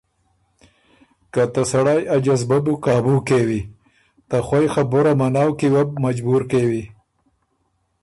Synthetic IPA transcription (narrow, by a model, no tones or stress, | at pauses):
kat̪asaɽaːjad͡ʒazbabukaːbukewi | t̪axwajxaboɾamanaːwkiwab̚mad͡ʒbuɾkewi